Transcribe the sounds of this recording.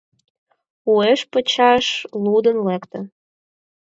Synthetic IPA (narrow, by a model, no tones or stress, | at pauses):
ueʃpə̆t͡ɕɑʃlud̪ənlekt̪ə̆